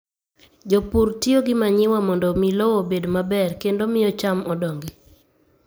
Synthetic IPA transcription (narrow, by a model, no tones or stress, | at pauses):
d͡ʒopuɾtioɡɪmaɲɪwamɔndɔmilowobedmabɛrkendomɪɔt͡ʃamɔdɔŋɡi